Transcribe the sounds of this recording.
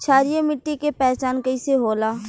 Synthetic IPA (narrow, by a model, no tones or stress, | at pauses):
t͡ʃʰaːɾijamɪʈːikepɛːt͡ʃaːnkəiseɦoːlaː